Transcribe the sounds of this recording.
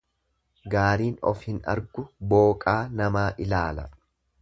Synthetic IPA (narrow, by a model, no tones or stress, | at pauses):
ɡaːɾiːnɔ̰fhɪnɐ̰ɾɡʊbo̞ːkʼaːnɐmaːʔɪlaːlɐ̰